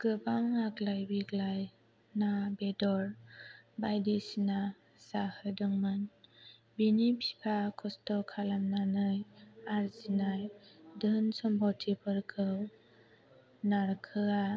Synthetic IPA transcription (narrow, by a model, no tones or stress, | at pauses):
ɡ̥ɯbaŋaɡlajbiɡlaj | nabedɔɾbajdisina | sahɯdɔŋmɯn | binipʰi̥pʰakʰɔstɔkʰalamnanɯjaɾzinajdɯnsɔmbawtʰipʰɯɾkʰɯw | naɾkʰɯa